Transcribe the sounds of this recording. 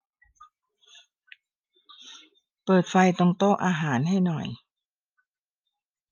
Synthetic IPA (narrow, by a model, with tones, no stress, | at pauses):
pɤː˨˩t̪̚fa˧jt̪o˧ŋt̪oː˥˩ʔaː˧ɦaː˩˦nɦa˥˩jnɔ˨˩j